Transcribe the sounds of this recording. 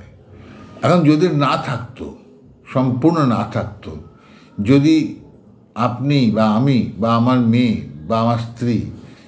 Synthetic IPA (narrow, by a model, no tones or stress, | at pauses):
ɛkʰond͡ʑod̪eɾnat̪ʰak̚t̪o̰ | ʃɔmpuɾnonat̪ʰak̚t̪o | d͡ʑod̪i | apnibaamibaamaɾmebaamaɾst̪ɾi